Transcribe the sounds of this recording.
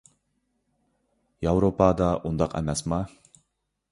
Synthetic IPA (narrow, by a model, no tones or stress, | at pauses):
jawɾopɑd̪ɑʔund̪ɑqæ̰mæsmɑ